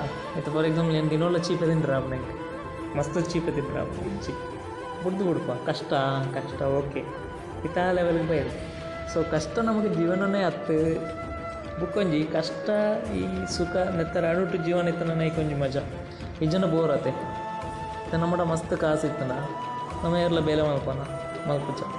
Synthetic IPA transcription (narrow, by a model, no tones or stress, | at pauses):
it̪ɐpɐɾeɡd̪ɐŋɐlend̪inʋɐlːɐt͡ʃiːpet̪̬inɖɾaːbɐnɐŋkɐ | mɐst̪ɨt͡ʃiːpet̪ːinɖɾa̰ːpiɲt͡ʃi | buɽd̪ubuɽupːaːkɐʂʈɐkɐʂʈɐoːkeː | it̪aleʋɐlɡɐpɐːjɐd̪i | soːkɐʂʈɐnɐmɐkːed͡ʒiːʋɐnɐneɐt̪ːɨ | bukːoɲd͡ʒikɐʂʈɐiːsukɐnɛt̪ːɐɾɐɽuʈːud͡ʒiːʋɐnit̪ːɐnɐnɐikoɲd͡ʒimɐd͡ʒɐ | id͡ʒɐnɐboːɾɐt̪e | ɐt̪enɐmːɐʈɐmɐst̪ɨkaːsit̪ːuɳɖa | nɐmɐeʋɐɾlɐbeːlɐmɐnɐpɐnɐ | mɐlpud͡ʒɐ